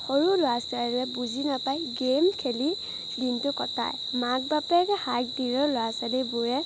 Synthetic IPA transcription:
xoɹulʊasaɹɛbuzinapajɡemkʰeli | dintʊkɔta̰j | maɡ̚bapɛkɛhak̚diɹɔlʊasalibʊɹɛ

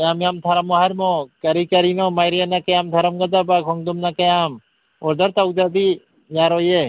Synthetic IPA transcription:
jamjamt̪ʰɐɾɐmoɦɐɾmokɐɾikɐɾinomajɾijanakɐjaːmt̪ʰɐɾɐmɡɐd̪abakʰɔŋd̪umnakɐjaːm | oɾd̪ɐɾt̪awud̪ɐb̪i | jaːɾoje

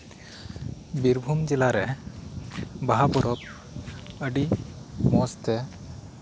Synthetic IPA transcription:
biɾbʱumd͡ʒɛlaɾɛ | baɦabɔɾɔp | əɖimɔst̪ɛ

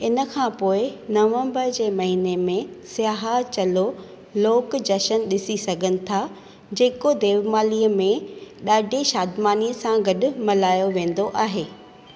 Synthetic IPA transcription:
ɪnə̆kʰãːpoːɪnɐʋə̃mbəɾd͡ʑeːmɐɦiːnemẽsijaːɦat͡ɕɐlo | loːkd͡ʑɐʃənɗɪsisɐɡʱənɪ̆t̪ʰa | d͡ʑeːkod̪eːʋmaːliːəmẽɗaːɖʱeʃaːd̪maːniːəsãɡɐɗʊmɐlaːjoʋẽːn̆d̪oʔaːɦeː

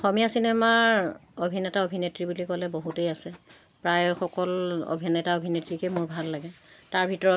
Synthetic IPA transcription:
ɔxɔmijasinemaobʱinɛtaobʱinetɹibulikɔlɛboɦutejasɛ | pɹajxɔkɔlo̰bʱinɛtaobʱinetɹikɛmʊɹbʱalːaɡɛtaɹbʱitɔɹɔ

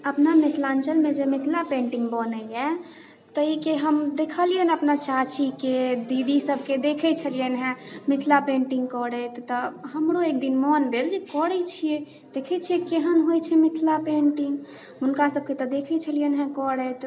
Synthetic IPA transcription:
əpnamɪt̪ʰlant͡ʃəlmẽd͡ʒemɪt̪ʰlapẽɳʈiŋɡbɔnəɛ | t̪əɦikeɦəmd̪ekʰəliənəpnat͡ʃat͡ʃiked̪id̪isəbʱked̪ekʰɛt͡ʃʰəlijənɦɛ̃mɪt̪ʰlapẽɳʈiŋɡkɔɽɛt̪ːɔɦəmɾoek̚d̪inmɔnd̪eld͡ʒekɔɽɛt͡ʃʰije | d̪̥ekʰɛt͡ʃʰiekeɦənɦojt͡ʃʰɛmɪt̪ʰlapẽɳʈiŋɡ | ʊnkasəb̚ket̪ɔd̪ekʰɛt͡ʃʰəlijənɦɛ̃kɔɽɛt̪

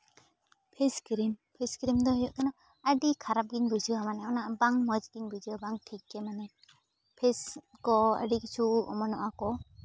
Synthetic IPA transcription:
pʰeskɾimpʰeskɾimd̪ɔhijɔʔkɛnɔ | aɖikʰaɾap̚ɡiɲbud͡ʒiwamanɛawnabaŋmɔd͡ʒɡiɲbuziwabaŋʈʰikːɛmanɛ | pʰeskɔa̰ɖikit͡ʃʰuɔ̰mɔnɔʔakɔ

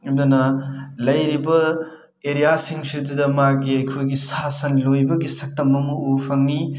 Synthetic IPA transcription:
dunɐlɐjɾibɐ | eɾijasiŋsidudɐmaɡiɐjkʰojɡisasɐnlojbɐɡisɐk̚tɐmɐmɐupʰɐŋːi

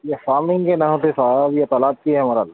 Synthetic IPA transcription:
jefaːɾmɪ̃ŋɡkenɐɦoːt̪esabjet̪ɐlaːb̚kiɦɛɦɐmaːɾal

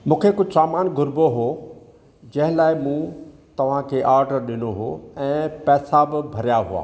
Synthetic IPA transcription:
mũːkʰekʊd͡ʑʱsaːmaːnɡʱʊɾboɦoː | d͡ʑɐ̃ɦɪ̃laːɪmũ | t̪ɐʋ̤ãkʰeːʔaːɾɖəɾɗɪnoɦoɛ̃ːpɛːsabɪbʱɐɾjaɦua̰ː

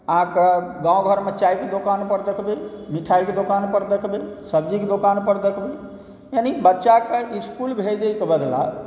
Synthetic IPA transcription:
akəɡãw̃ɡʱəɾmet͡ʃaiked̪okanpəɾd̪ekʰbemiʈʰaiked̪okanpəɾd̪ekʰbesəbd͡ʒiked̪okanpəɾd̪ekʰbe | jənibətːʃakeʔiskulbʱed͡ʒejkebəd̪la̰

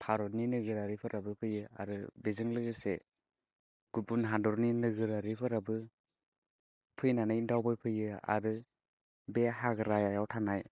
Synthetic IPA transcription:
pʰaɾɔninɯɡɯɾaɾipʰɯɾabɯpʰɯjɯa̰ɾɯbezɯŋlɯɡɯse | ɡ̥ubunɦadɔɾninɯɡɯɾaɾipʰɯɾabɯ | pʰɯjnanɯjndawbɯjpʰɯjɯa̰ɾɯ | beɦaɡɯɾajajawtʰanaj

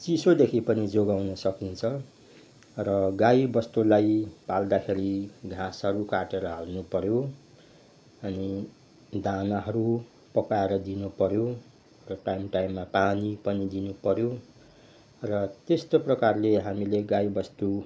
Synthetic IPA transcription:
t͡sisod̪ekʰipʌnid͡zoɡawnʌsʌkint͡sʰʌ | rʌɡajbʌst̪ulajpald̪akʰeɾiɡʱãsɦʌɾukaʈeɾʌɦalnupʌɾjo | ʌni | d̪anaɦʌɾu | pʌkaeɾʌd̪inupʌɾjo | rʌʈajmʈajmːapanipʌnid̪inupʌɾjo | rʌt̪est̪oprʌkarleɦamileɡaibʌst̪u

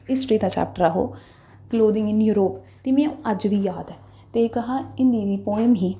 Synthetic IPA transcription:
ɪsʈɾiːd̪ãːt͡ʃa̰ːp̚ʈəɾaɦo̰ː | kloːd̪ɪ̃ŋɡnjuːɾoːp | t̪eːmɛ̃əd͡ʒʋiːjaːd̪ɛː | t̪ekəɦaːɪ̃nd̪id̪iːpɔːɪmɦiː

